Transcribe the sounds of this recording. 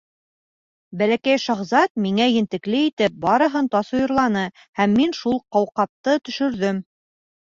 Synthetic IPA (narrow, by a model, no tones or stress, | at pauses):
bælækæjʃɑʁzɑt̪̚miŋæjɘ̆nt̪ɘ̆klɘit̪ɘp̚bɑɾɤ̆ɦɤnt̪ɑsŏjŏɾlˠɑnɤ | hæmːinʃulˠqɑwqɑp̚t̪ɤt̪ɵ̆ʃɵ̆ɾðɵm